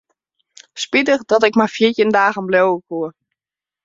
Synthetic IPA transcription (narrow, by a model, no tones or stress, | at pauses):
spitəxdɔtɪkmajfjiətjəndaːɣənblowəkuə